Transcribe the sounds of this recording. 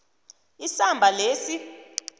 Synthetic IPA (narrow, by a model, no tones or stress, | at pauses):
isambʱalesi